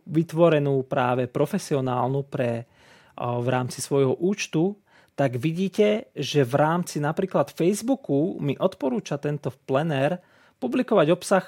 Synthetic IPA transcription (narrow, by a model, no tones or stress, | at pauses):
ʋit̪ʋɔɾɛnuːpɾaːʋɛpɾɔfɛsiɔnaːlnupɾɛ | ʋɾaːmt͡sisʋɔjɦɔʔuːt͡ʃt̪u | t̪aɡʋiɟiːcɛʒɛʋɾaːmt͡sinapɾiːklat̪fɛjzbukumiʔɔt̪pɔɾuːt͡ʃat̪ɛnt̪ɔplɛnɛɾ | publikɔʋaɟɔpsax